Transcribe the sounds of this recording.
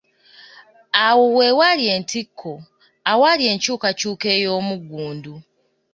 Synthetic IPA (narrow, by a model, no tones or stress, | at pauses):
awowe̞walje̞ːntikʰːo | awalje̞ːɲcuːkacuːke̞ːjo̞ːmuɡuːndu